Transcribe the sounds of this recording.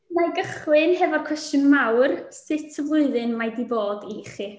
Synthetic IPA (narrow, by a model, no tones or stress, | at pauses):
maɡəχlˠɨnɦɛvɔkʰwɛstjʊnmawrsɪtʰəvlˠʊɨðɨnmajdiboːdiχi